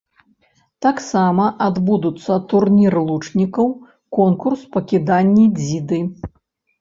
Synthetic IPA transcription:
t̪aksamɐʔad̪bud̪ut̪sːɐt̪urnʲiɾɨlˠut͡ʂnʲikɐw | kɔnkurspɐkʲid̪anʲːid͡zʲid̪ɨ

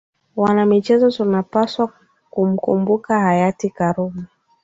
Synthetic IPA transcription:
wanamit͡ʃɛzɔtunapaswa | kum̩kumbukahajatikaɾumu

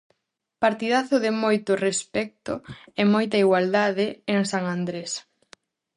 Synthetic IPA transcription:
paɾt̪iðaθʊðɪmojt̪ʊrespɛk̚t̪ʊ̰ɛmojt̪ɐiɣwald̪aðɪeŋsaŋand̪ɾes

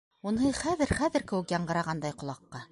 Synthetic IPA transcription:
unɤχæðɘ̆ɾχæðɘ̆ɾkɘ̆wɘkjɑɴɢɤ̆ɾɑʁɑnd̪ɑjqŏlˠɑqːɑ

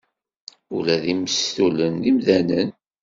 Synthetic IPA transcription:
ʊlæðiməsθulənlimðænən

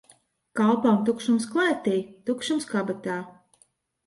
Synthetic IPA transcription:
kalˠpamt̪ukʃumsklˠaːt̪iːt̪ukʃumskabat̪aː

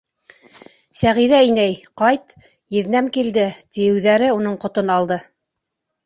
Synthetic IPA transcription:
sæʁiðæɘ̆næjqɑjt̪ | jɘ̆ðnæmkild̪ɘt̪ɘ̆jɘ̆wðæɾɘunoɴqŏt̪onɑlˠd̪ɤ

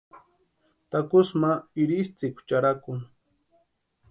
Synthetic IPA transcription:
t̪akʊsmaɪɾɪst͡sɪkt͡ʃaɾakʊŋ

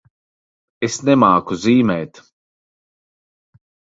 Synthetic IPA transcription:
esnemaːkuziːmɛjt̪

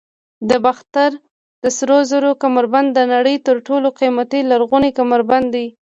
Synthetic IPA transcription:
d̪əbaxt̪aɾ | d̪̥əsɾozəɾokamaɾband̪d̪ənaɽəjt̪əɾʈoloqimat̪ilaɾɣunikamaɾband̪d̪i

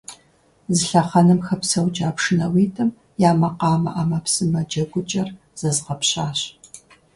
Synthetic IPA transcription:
zɨɬɐχɐnɨmxɐpsɐwd͡ʒaːpʂɨnɐwiːtʰʼɐm | jaːmɐqɑːmɐ̰ʔamɐpsɨmɐd͡ʒɐɡʷʊt͡ʃʼɐr | z̥ɐzʁɐpɕaːɕ

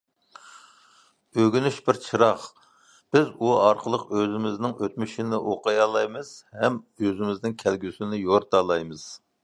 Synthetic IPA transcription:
øɡʲynyʃbɪɾt͡ʃʰɨɾɑχ | b̥ɪzuɑɾqʰəlˠəqøzɪmɪznɪŋʔøt̪̚myʃinɪʔoqʰɑjɑlˠɑjmɨz̥hɛmøzɪmɪznɪŋkʲʰɛlɡʲysɪnɪjoɾd̪ɑːlˠɑjmɨz̥

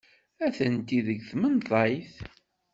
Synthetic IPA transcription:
æθənt̪iðəɡθmənðˤɑjθ

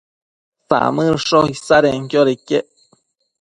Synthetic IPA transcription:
sa̰ʔa̰mɨɾʂohisaɾeŋkjoɾekeʔ

